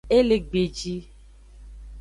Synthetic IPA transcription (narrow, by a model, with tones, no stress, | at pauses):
e˦le˨ɡ͡be˨d͡ʒi˦